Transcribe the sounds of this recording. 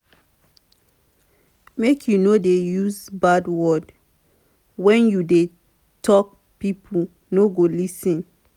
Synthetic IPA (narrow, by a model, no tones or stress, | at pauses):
mekʰjunodejuzbadwɔd | wɛ̃njude | tʰɔk̚ | pipʰu | noɡolisĩn